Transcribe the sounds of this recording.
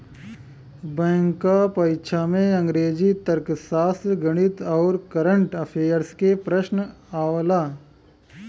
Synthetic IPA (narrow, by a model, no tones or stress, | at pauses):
bɛ̃ːŋkapəjʃʰamẽɐ̃ŋɡɾeːd͡ʒit̪əɾksaːsɡəɽ̃it̪ɔːɾkɐɾəɳʈɐpʰeːəɾskepɾəʃnaːʋlaː